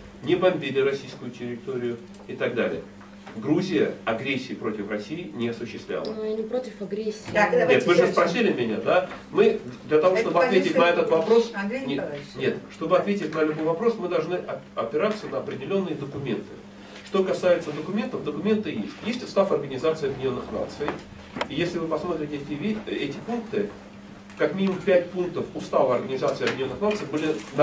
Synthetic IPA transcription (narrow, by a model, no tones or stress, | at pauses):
nʲɪbɐmʲbʲilʲɪɾɐsʲijskʊjʊtʲɪɾʲɪt̪o̞ɾʲɪjʊ | ɪt̪aɡd̪alʲɪ̰jə | ɡɾuzʲɪjəɐɡɾʲesʲːɪːpɾo̞tʲɪfrɐsʲiɪnʲɪɐsʊɕːɪst̪vlʲa̰lˠənjnʲɪpɾotʲɪfɐɡɾʲesʲːinet̪vɨʐɨspɾɐsʲilʲɪmʲɪnʲad̪a | mɨd̪lʲɐt̪ɐvo̞ʂt̪o̞bɨɐt̪vʲetʲɪtʲnɐɛt̪ət̪vɐpɾo̞snʲnʲe̞t̪ʂt̪o̞bɨɐt̪vʲetʲɪtʲnəɛt̪ʲbojvɐpɾo̞smɨd̪ɐlˠʐnɨʔɐɐpʲɪɾat̪sənəɐpɾʲɪdʲɪlʲo̞nːɨjəd̪əkʊmʲe̞̰nt̪ɨ | ʂt̪o̞kɐsajɪt̪səd̪əkʊmʲe̞nt̪əvd̪əkʊmʲe̞nt̪ɨjḛsʲtʲjesʲtʲʊ̥st̪afɐrɡənʲɪzat̪sɨɪɐbʲdʲɪnʲo̞nːɨxna̰t̪sɨj | ijesʲlʲɪvɨpɐsmo̞t̪ɾʲɪtʲɪtʲɪvʲɛtʲɪpunk̚t̪ɨ | kɐkmʲinʲɪmʊmpʲæt̚ʲpunk̚t̪əfʊst̪avəɐrɡənʲɪzat̪sɨɪɐbʲdʲɪnʲo̞nːɨxnat̪sɨjbɨlʲɪn